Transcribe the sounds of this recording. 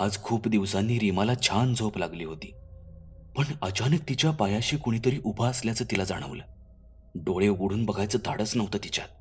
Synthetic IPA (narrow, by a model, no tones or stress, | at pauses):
ad͡zkʰuːpd̪iʋsanːiːɾimalat͡ɕʰand͡zʱoplaɡliːɦot̪ḭː | pəɳət͡ɕanək̚t̪it͡ɕjapajaɕiːkoɽ̃it̪əɾiːʔubʱaəsljat͡səːt̪ilad͡za̰ɽ̃ə̰ʋlə̰ː | ɖoɭeuɡuɽuːnbəɡʱajt͡səːd̪ʱaɽəsnəʋt̪əːt̪it͡ɕja̰t̪̚